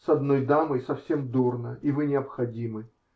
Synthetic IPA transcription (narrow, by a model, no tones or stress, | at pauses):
sɐd̪nojd̪amɨjsɐfsʲemd̪urnəivɨnʲɪɐpxɐdʲimɨ